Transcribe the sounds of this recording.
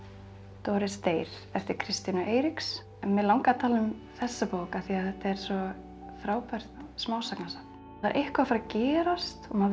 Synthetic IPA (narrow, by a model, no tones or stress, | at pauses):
t̪ɔːɾɪst̪eːjɾ̥ | ɛft̪ɪɾkʰɾɪst̪inʏʔeːjɾiks | mːɛðlawŋkat̪ʰaːlʏm | θɛsːapoːwkaθiaðθɛht̪aɛɾ̥svɔ | fɾaːwpajɾ̥t̪smaːwsaknasakn | a̰ɾʔehkvafaɾacɛːɾast̪ɔma